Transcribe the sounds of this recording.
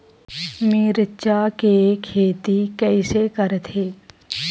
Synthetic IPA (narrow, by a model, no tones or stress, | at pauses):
miːɾɪtːʃakekʰːeːt̪ikɛːɪsekəɾt̪ʰeː